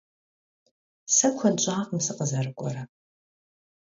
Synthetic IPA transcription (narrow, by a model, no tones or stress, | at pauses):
sɐkʷʰɐdd͡ʒʷʼaːqəmsɨqʼəzɐrɨkʷʼɔɾɐ